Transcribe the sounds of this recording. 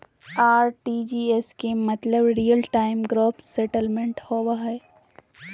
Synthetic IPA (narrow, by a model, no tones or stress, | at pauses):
aːɾʈiːd͡ʒieskemɐt̪ləbɾijəlʈaːɪmɡɾoːpsɛʈəlmẽɳʈhoːwaɦɛː